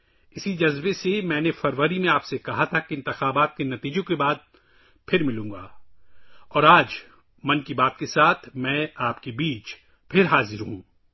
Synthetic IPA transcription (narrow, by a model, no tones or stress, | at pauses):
ɪsid͡ʒɐzbesemɛ̃ːnefɐɾʋəɾimẽaːpsekɐɦat̪ʰakeɪ̃nt̪ɪxaːbaːt̪̚kenɐt̪iːd͡ʒõkebaːd̪̚ | pʰɪɾmɪlũːɡaː | ɔːɾaːd͡ʒ | mɐnkibaːt̪kesaːt̪ʰmɛ̃ːaːpkebiːt͡ʃ | pʰɪɾɦaːzɪɾɦũː